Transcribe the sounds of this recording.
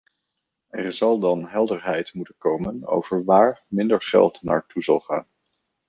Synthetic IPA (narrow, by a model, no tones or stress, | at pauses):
ɛɹzɑlˠdɑnɦɛlˠdəɹɦɛjtmutənkowməno̰wv̥əɹʋaːɹmɪndəɹχɛ̰lˠtna̰ːɹtuzɑ̰lˠχa̰ːn